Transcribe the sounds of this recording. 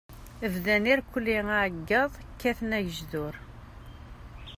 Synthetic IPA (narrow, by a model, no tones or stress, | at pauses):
əvðæniɾkʷːəlːiaʕɡːɑðˤkːæθənæʝəʒðʊɾ